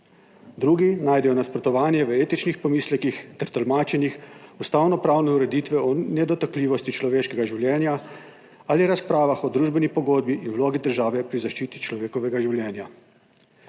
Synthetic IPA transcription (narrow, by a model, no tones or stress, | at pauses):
d̪ɾuːɡinaːjd̪ɛjɔnaspɾɔt̪ɔʋaːnjɛʋəeːt̪it͡ʃnixpɔmiːslɛkixt̪ɛɾt̪əlmaːt͡ʃɛnixust̪aːwnɔpɾaːwnɛuɾɛd̪it̪ʋɛɔnɛd̪ɔt̪akliːʋɔst̪it͡ʃlɔʋeːʃkɛɡaʒiwljɛːnja | aliɾaspɾaːʋaxɔd̪ɾuːʒbɛnipɔɡoːd̪̚biʔinwloːɡid̪əɾʒaːʋɛpɾizaʃt͡ʃiːt̪it͡ʃlɔʋeːkɔʋɛɡaʒiwljɛːnja